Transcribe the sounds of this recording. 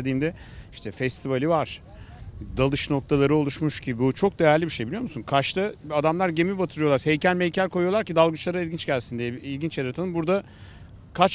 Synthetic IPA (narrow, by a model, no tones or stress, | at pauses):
d̪iːmd̪ɛ | iʃt̪ʰɛfɛst̪ʰivalʲivaɾ̥ | d̪alˠɯʃno̞k̚t̪ʰalˠaɾɯo̞lˠuʃmuʃɟʰibbut͡ʃʰo̞k̚d̪e̞jæɾlʲibiʃe̞jbilʲijomusunkʰaʃt̪ʰaad̪amlˠaɾɟe̞mibat̪ʰɯlˠɯjolˠaɾhejcælʲmɛjcʰæɾʲkʰo̞jujolˠaɾcid̪alˠɡɯt͡ʃlˠaɾailʲɟint͡ʃɟælʲsind̪ijɛilʲɟint͡ʃjaɾat̪ʰanˠɯmbuɾd̪a | kʰat͡ʃ